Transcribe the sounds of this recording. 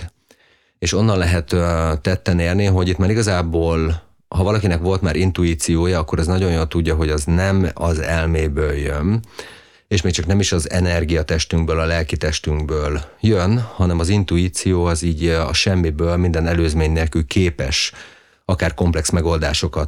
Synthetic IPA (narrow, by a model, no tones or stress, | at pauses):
eːʃo̞nːɒnlɛɦɛt̪ːɛt̪ːɛneːrniɦo̞ɟit̪maːɾiɡɒzaːboːl | hɒvɒlɒkinɛkʋo̞lt̪maːɾint̪uiːt̪sijoːjɒɒkːo̞ɾɛznɒɟo̞j̪jolt̪uɟːɒɦo̞ɟɒznɛmɒzɛlmeːbøːljøn | eːʃmeːkt͡ʃɒknɛmiʃɒzɛ̰nɛrɡijɒt̪ɛʃt̪yŋɡbøːlɒlɛlkit̪ɛʃt̪yŋɡbøːljønhɒnɛmɒzint̪uiːt̪sijoːɒziːɟɒ̰ʃɛmːibøːlmind̪ɛnɛløːzmeːɲneːlkylkʰeːpɛ̰ʃ | ɒkaːrko̞mplɛksmɛɡo̞ld̪aːʃo̞kɒt̪